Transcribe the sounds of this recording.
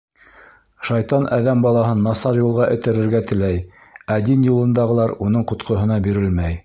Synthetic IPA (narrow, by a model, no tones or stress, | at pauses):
ʃɑjt̪ɑnʔæðæmbɑlˠɑɦɤnːɑsɑɾjulˠʁɑʔɘ̆t̪ɘ̆ɾɘ̆ɾɡæt̪ɘ̆læj | æd̪injulˠɤ̆nd̪ɑʁɤ̆lˠɑɾunɤɴqŏt̪qʰŏɦɤ̆nɑbiɾɘlmæj